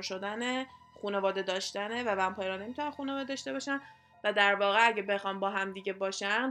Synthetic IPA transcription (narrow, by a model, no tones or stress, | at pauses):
ʃo̞d̪æne | xuːne̞vɒːd̪e̞d̪ɒːʃt̪ænevævæmpʰɒːjeɾɒne̞miːt̪ʰunænxunevɒːd̪ed̪ɒːʃt̪e̞bɒːʃæn | væd̪æɾvɒːɣe̞æɟebe̞xɒːnbɒːɦæmd̪iːɟe̞bɒːʃæn